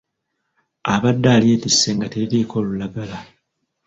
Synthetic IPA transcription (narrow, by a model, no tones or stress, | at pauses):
aβadːaːlje̞ːtisːeŋɡateiɾiːkʰo̞ːlulaɡala